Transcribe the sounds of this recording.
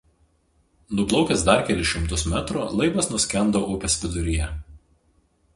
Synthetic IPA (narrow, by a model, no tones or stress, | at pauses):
nʊblˠɒʊkʲɛsd̪ɐɾkʲɛlʲɪʃʲɪmt̪ʊsmʲæt̪ɾulˠɐɪbɐsnʊsʲkʲɛnd̪oːʔʊpʲɛsʲʋʲɪd̪ʊɾʲɪjɛ